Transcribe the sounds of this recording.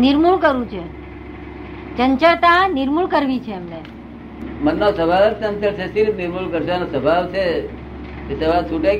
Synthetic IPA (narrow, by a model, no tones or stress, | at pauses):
nɪɾmuɭkəɾũt͡ʃʰe | d͡ʒəɲt͡ʃat̪anɪɾmuɭkəɾʋit͡ʃʰeːmne | mənːosəbʱaʋt̪ənt̪əɾt͡ʃʰesiɾpnɪɾmuɭkəɾʃanosəbʱaʋt͡ʃʰe | esəbʱasuʈe